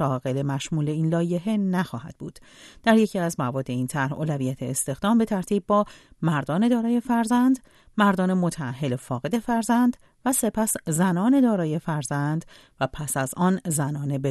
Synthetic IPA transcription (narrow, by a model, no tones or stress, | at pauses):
ɒːɣe̞le̞mæʃmuːle̞iːnlɒːje̞ɦe̞næxɒːhæ̰d̪̚bṵːd̪̥ | d̪̥æɾjecʰiæzmævɒːd̪ːe̞iːnt̪ʰæɾhoːlævijæt̪ʰe̞ːst̪e̞xd̪ɒːmbe̞t̪ʰæɾt̪ʰiːb̚bɒːmæɾd̪ɒːne̞d̪ɒːɾɒːje̞fæɾzænd̪ | mæɾd̪ɒːne̞mot̪ʰæːɦːe̞lefɒːɣe̞d̪e̞fæɾzænd̪ | væse̞pʰæszænɒːne̞d̪ɒːɾɒːje̞fæɾzænd̪̥ | væpʰæsæzɒːnzænɒːne̞be